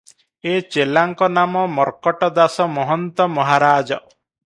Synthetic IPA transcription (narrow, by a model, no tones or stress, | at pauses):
et͡ʃelaŋkɔnamɔmɔɾkɔʈɔd̪asɔmɔɦɔnt̪ɔmɔɦaɾaːd͡ʒɔ